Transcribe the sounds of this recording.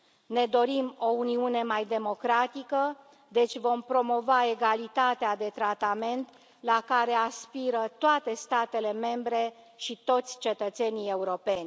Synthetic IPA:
ne̞d̪o̞ɾimo̞uniune̞majd̪e̞mo̞kɾat̪ikə | d̪e̞t͡ʃʲvo̞mpɾo̞mo̞vae̞ɡalit̪at̪ead̪e̞t̪ɾat̪ame̞nt̪ | lakaɾe̞aspiɾət̪oat̪e̞st̪at̪e̞le̞me̞mbɾe̞ | ʃit̪o̞t̪sʲt͡ʃe̞t̪ət̪se̞nije̞uɾo̞pe̞nʲ

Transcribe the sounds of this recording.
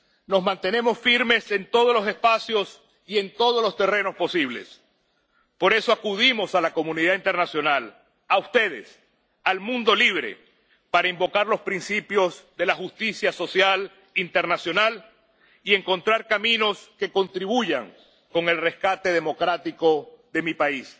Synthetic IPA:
no̞zmãnt̪e̞ne̞mo̞sfiɾme̞se̞nt̪o̞ð̞oslo̞se̞spasjo̞s | ie̞nt̪o̞ð̞oslo̞st̪e̞re̞no̞spo̞siβ̞le̞̰s | po̞ɾe̞so̞akuð̞imo̞salako̞mũniðaint̪eɾnasjo̞nal | aust̪e̞ðe̞̰s | almũnd̪o̞liβ̞ɾe̞̰ | paɾaimbo̞kaɾlo̞spɾinsipjo̞zðe̞laxust̪isjaso̞sjal | int̪e̞ɾnasjo̞nal | ie̞ŋko̞nt̪ɾaɾkamĩno̞ske̞ko̞nt̪ɾiβuʝaŋ | ko̞ŋe̞lre̞skat̪e̞ð̞e̞mo̞kɾat̪ikoðe̞mipais

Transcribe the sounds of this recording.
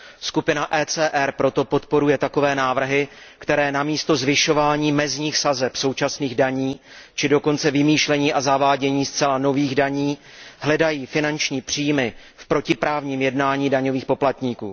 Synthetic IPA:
skupɪnaʔɛːt͡sɛːʔɛɾpɾo̞t̪o̞po̞t̪po̞ɾujɛt̪ako̞vɛːnaːvr̩ɦɪ | kt̪ɛɾɛːnamiːst̪o̞zvɪʃo̞vaːɲiːmɛzɲiːxsazɛpso̞wt͡ʃasniːɣdaɲiː | t͡ʃɪdo̞ko̞nt͡sɛvɪmiːʃlɛɲiːʔazavaːɟɛɲiːst͡sɛlano̞viːɣdaɲiːɦlɛdajiːfɪnant͡ʃɲiːpr̝̥ijmɪ | fpɾo̞cɪpɾaːvɲiːmjɛdnaːɲiːdaɲo̞viːxpo̞plat̪ɲiːkuː

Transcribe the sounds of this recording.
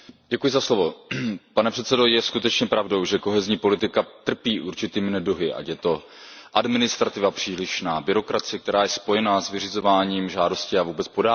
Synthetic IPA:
ɟɛkujɪzaslo̞vo̞panɛpr̥ɛt̪sɛdo̞jɛskut̪ɛt͡ʃɲɛpɾavdo̞wʒɛko̞ɦɛzɲiːpo̞lɪt̪ɪkat̪r̩piːʔuɾt͡ʃɪt̪iːmɪnɛduɦɪʔa̰cjɛt̪o̞ | ʔadmɪnɪst̪ɾat̪ɪvapr̝̥iːlɪʃnaːbɪɾo̞kɾat͡sɪɛk̚t̪ɛɾaːjɛspo̞jɛnaːsvɪrɪzo̞vaːɲiːmʒaːdo̞scɪavuːbɛt͡spo̞daː

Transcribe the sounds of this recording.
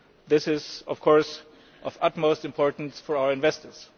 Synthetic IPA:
ðɪsɪzʌv̥kʰɔɹs | ʔʌvʌtmoʊstɨ̃mpʰɔɹtn̩sfɔɹaʊə˞ɨ̃nvɛstə˞z̥

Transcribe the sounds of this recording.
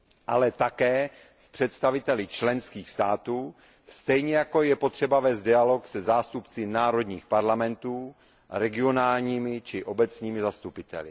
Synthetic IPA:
ʔalɛt̪akɛː | spr̝̥ɛt̪st̪avɪt̪ɛlɪt͡ʃlɛnskiːxst̪aːt̪uː | st̪ɛjɲɛjako̞jɛpo̞t̪r̝̥ɛbavɛːst̪dɪalo̞ksɛzaːst̪upt͡sɪnaːɾo̞d̪ɲiːxpaɾlamɛnt̪uː | ɾɛɡɪo̞naːlɲiːmɪt͡ʃɪʔo̞bɛt͡sɲiːmɪzast̪upɪt̪ɛ̰lɪ̰

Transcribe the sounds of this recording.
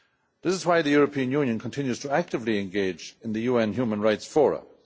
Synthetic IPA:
ðɪsɨzwaɪðɨjʊɹəpʰĩə̃njũnjə̃nkʰə̃n̩tʰɪ̃njʉz̥tʰəæk̚tɨvliɨ̃nɡeɪd͡ʒɨ̃nðɨjuːɛ̃nɦjuːmə̃nɹaɪtsfɔɹə̰

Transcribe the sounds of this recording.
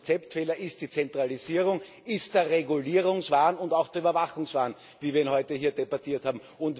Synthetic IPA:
t͡sɛptfeːlɐʔɪst̚d̥iːt͡sɛntʁ̥aliziːʁʊŋ | ɪstd̥eːɐʁeɡʊliːʁʊŋsvaːnʊndaʊxd̥eɐybɐvaxʊŋsv̥aːn | viːviːɐɪnɦɔʏtəhiːɐdebatiːɐthaːbm̩ | ʊnt

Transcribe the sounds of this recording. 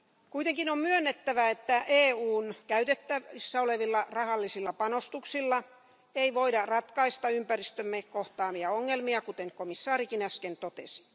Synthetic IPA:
kuit̪eŋkinommyønːet̪ːæʋæet̪ːæʔeːuːnkæyt̪et̪ːæisːæoleʋilːɑrɑhɑlːisilːɑpɑnost̪uksilːɑ | eiʋoidɑrɑt̪kɑist̪ɑympærist̪ømːekoht̪ɑːmiɑoŋːelmiɑkut̪eŋkomisːɑːrikinæskent̪ot̪ḛsi̥

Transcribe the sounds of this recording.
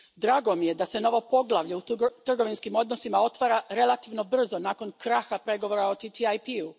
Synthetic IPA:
d̪ɾaːɡo̞mije̞d̪ase̞no̞ʋo̞po̞ɡlˠaʋʎeut̪r̩ɡo̞ʋinskimo̞d̪no̞simao̞t̪ʋaːɾaɾe̞lˠat̪iʋno̞br̩zo̞naːko̞nkɾaxapɾe̞ɡo̞ʋoɾaot̪it̪iajpiu

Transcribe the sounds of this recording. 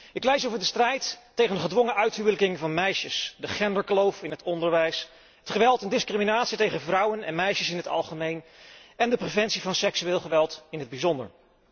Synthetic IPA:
ɪklejsowvəɹdəstrɛjtːejχənəχədʋɔŋəʔœɥtɦuwləkɪŋvɑnmɛjʃəsdəχɛndəɹklowfɪnɦətɔndəɹʋɛjs | ɦətχəʋɛlˠtɛndɪskriminaːtsitejχənvrʌwənɛ̰nmɛjʃəsɪnɦətɑ̰lˠχəmejnɛndəprevɛntsivɑnsɛksyɪːlˠχəʋɛlˠtɪnɦəd̚bizɔndə̰ɹ

